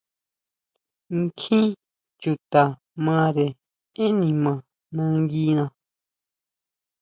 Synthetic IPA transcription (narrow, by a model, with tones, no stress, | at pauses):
ŋ˦kʰĩ˦ | t͡ʃu˨t̪a˨ | mã˧ɾe˨ | e˦nĩ˨mã˨ | nã˧ŋ˦ɡi˦nã˧